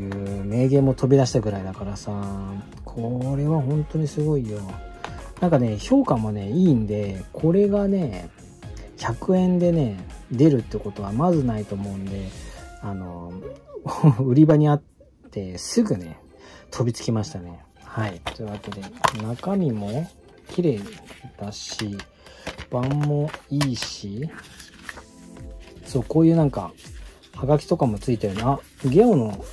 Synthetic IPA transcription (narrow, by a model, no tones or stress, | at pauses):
jɯ̟me̞ːɡẽ̞ːmːo̞t̪ʰo̞bʲid̪aɕi̥t̪aɡɯ̟ɾaid̪akaɾasa | kʰo̞ɾe̞βahõ̞nt̪o̞ɲ̟isɨɡo̞ijonãŋkane̞ço̞ːkãmːone̞iːnd̪e̞kʰo̞ɾe̞ɡane̞ | çakɯ̟ẽ̞nd̪e̞ne̞d̪e̞ɾɯ̟t̪ːeɯ̟ko̞t̪o̞βamazɨnait̪o̞ːmo̞ɯ̟̃nd̪e̞ano̞ | ɯ̟ɾʲibaɲ̟iat̪ː | e̞sɨɡɯ̟ne̞ | t̪ʰo̞bʲit͡sɨ̥kʲimaɕi̥t̪ane̞ | hait̪ojɯ̟βake̞d̪e̞nakamʲimo̞ | kʲiɾe̞ːd̪̥aɕi | b̥ãmːo̞iːɕi | so̞ːko̞ːjɯ̟ːnãŋka̰ | haɡakʲi̥t̪o̞kamo̞t͡sɨit̪eɾɯ̟naɡʲe̞õno̞